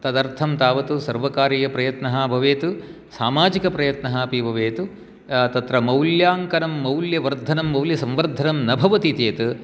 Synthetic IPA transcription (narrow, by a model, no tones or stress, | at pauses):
t̪ɐd̪ɐɾt̪ʰɐmt̪aːʋɐt̪usɐɾʋɐkaːɾiːjɐpɾɐjɐt̪nɐɦɐbʱɐʋeːt̪u | saːmaːd͡ʒikɐpɾɐjɐt̪nɐɦɐːpibʱɐʋeːt̪u | t̪ɐt̪ɾɐmɐwljaːŋkɐnɐmːɐwljɐʋɐɾd̪ʱɐnɐmːɐwljɐsɐ̃mʋɐɾd̪ʱɐnɐmnɐbʱɐʋɐt̪it̪eːt̪ɨ